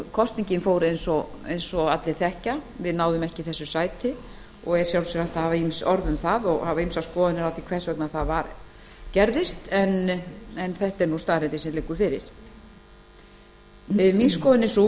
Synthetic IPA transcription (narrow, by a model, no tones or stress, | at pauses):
kʰɔst̪niɲcɪnfoːwɾejnsɔejnsɔat̪lɪθɛhcavɪðnaːwðʏmɛhcɪθɛsːʏsaːjt̪ɪ | ɔɣɛɾ̥sjawlsɛɾaht̪ahavaimsɔɾðʏmθaðɔɣhavaimsawskɔːðʏnɪɾawθikʰvɛ̥svœknaθaðvaɾ | cɛɾðɪst̪ɛnɛnθɛht̪ɛɾnust̪aːðɾɛnt̪ɪsɛmlɪkːʏfɪɾɪ̰ɾ̥ | minskɔːðʏnːɪsu